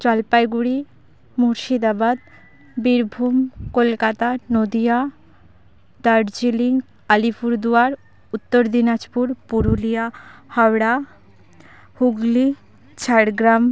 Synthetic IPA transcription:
t͡ɕɔlpajɡuɽi | muɾʃid̪abad̪ | biɾbʱumkolkat̪anod̪ija | d̪aɖd͡ʑiliŋɡ | alipʰuɾd̪uaɾ | ut̪ːoɾd̪inad͡ʑpuɾpuɾulijahɔwɽa | huɡli | t͡ɕʰaɽɡɾam

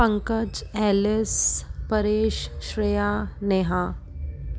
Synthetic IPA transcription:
ə̃ŋkəd͡ʒɛːlɪspɐɾeːʃʃɾejaːneːɦãː

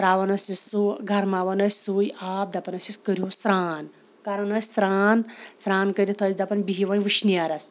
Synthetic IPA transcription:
tɾaːʋɐnɐsisuɡʱɐɾmaːʋɐnɐsʲsujaːp̚d̪ɐpɐnɐsiskəɾijusɾaːn | kaːɾɐnɐsʲsɾaːnsɾaːnkəɾʲit̪ʰɐsd̪ɐpɐnʲbiɦiʋɐnʋɨʃnijaɾɐs

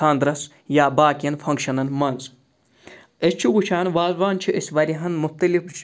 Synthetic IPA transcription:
aːnd̪ɾɐs | jaːbaːkijɐnfʰɐŋkʃɐnɐnmɐnz | est͡ʃʰiɡut͡ʃʰaːnʋaːzʋaːnt͡ʃʰiʔesʲʋɐɾiɦɐnmuft̪ɐlif

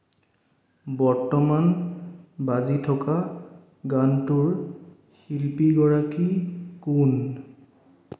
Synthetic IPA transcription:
bɔɹtɔman | bazitʰɔka | ɡantuɹ | xilpiɡɔɹakikun

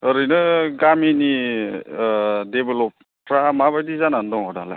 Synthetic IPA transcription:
əɾɯjnɯɡamini | debelop | ɾamabajdizanand̪ɔŋɦɔdala̰

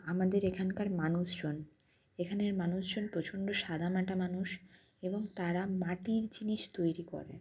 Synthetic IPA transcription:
amad̪eɾekʰankaɾmanuʃd͡ʑon | ekʰaneɾmanuʃd͡ʑonpɾot͡ɕʰonɖoʃad̪ʱamaʈamanuʃ | eboŋt̪aɾamaʈiɾd͡ʑiniʃt̪ojɾikɔ̰ɾḛ

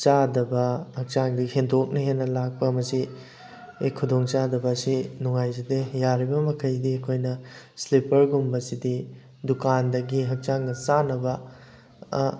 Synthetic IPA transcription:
t͡ʃadɐbɐhɐk̚t͡ʃaŋdihʰendok̚nɐɦenːɐlak̚pɐɐmɐsi | ekʰudoŋt͡ʃadɐbɐːsinuŋajzidejaɾibɐmɐkʰɐjdiɐkʰojnɐslipɐɾɡumbɐsidi | dukandɐɡiɦɐk̚t͡ʃaŋɡɐsanɐbɐ

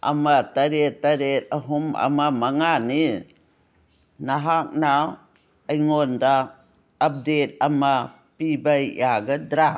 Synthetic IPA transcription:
a̰mataɾetːaɾet̚aɦuma̰mamaŋani | naɦak̚na | ajŋondaː | p̚det̚ama | pibajjaɡadɾa

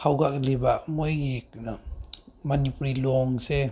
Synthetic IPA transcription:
hawɡaklibaʔmɔjɡik̚ | manipɾilɔŋse

